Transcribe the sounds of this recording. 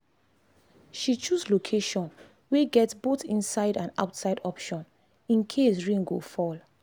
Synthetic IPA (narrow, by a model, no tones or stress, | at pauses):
ʃit͡ʃuslokʰeʃɔ̃n | weɡɛtsbotĩnsaɪɾãna̰ʊtsaɪdɔpʃɔ̃n | ĩnkʰes̬ɹĩŋɡo̰fɔl